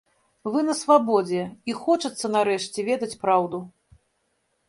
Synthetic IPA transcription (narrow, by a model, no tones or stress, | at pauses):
vɨnɐsvabɔd͡zʲɛixɔt͡ʂɐt̪sːɐnaɾɛʂt͡sʲɛvʲɛd̪ɐt͡sʲpɾawd̪u